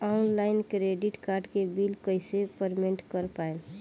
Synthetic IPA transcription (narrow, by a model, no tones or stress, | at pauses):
ɔnlaɪnkɾeɖiʈkaɾɖkebilkəjsepəɾmeɳʈkəɾpaen